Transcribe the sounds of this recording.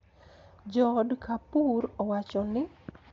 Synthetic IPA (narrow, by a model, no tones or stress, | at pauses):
d͡ʒɔdkʰapuɾɔwat͡ʃɔnɪ